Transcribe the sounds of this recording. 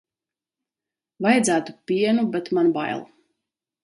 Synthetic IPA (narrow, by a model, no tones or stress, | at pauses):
vajd̪zæːt̪u̥pʲiɛnubɛt̪manba̰jlˠ